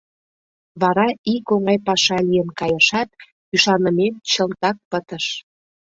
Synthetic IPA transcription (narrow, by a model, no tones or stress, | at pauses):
βɑɾɑikoŋɑjpɑʃɑlijənkɑjəʃɑt̪̚ | yʃɑnəment͡ɕə̆lt̪ɑk̚pət̪əʃ